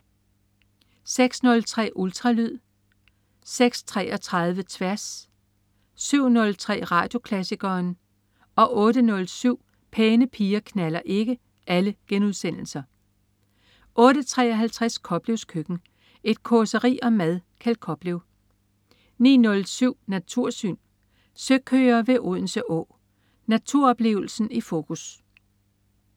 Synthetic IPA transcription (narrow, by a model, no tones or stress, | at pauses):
seɡ̥snɔ̽lt͡sʰʁɛ̰ːʔult͡sʰʁɑ̈lyð̰ˠ | seɡ̥st͡sʰʁɛ̰ːʔɒ̽t͡sʰʁɑ̈ð̞ˠʋət͡sʰʋæɐs | syʊ̰nɔ̽lt͡sʰʁɛ̰ːʁɑ̈ːd̥jo̝kʰlæsiɡ̥ɐːn | ɒ̽ʔɔ̽ːɾənɔ̽lsyʊ̰ | pʰeːnəpʰiːɐkʰnælɐʔe̝ɡ̥ə | ʔæləɡ̥enuð̞ˠsen̰l̩sɐ | ʔɔ̽ːɾət͡sʰʁɛ̰ːɒɦælt͡sʰʁaskʰɒ̽b̥le̝ʊskʰøɡ̥n̩ | e̝d̥̚kʰɔsəʁḭːɒ̽mæðˠkʰælkʰɒ̽b̥leʊ | nḭːnɔ̽lsyʊ̰næt͡sʰuɐ̰sy̰ːn | søɡ̥ʰøːɐʋe̝ʔoð̰ˠn̩səʔɔ̰̽ː | næt͡sʰuɐ̰ɒ̽b̥le̝̰ːʊl̩sn̩ifo̝ːkʰus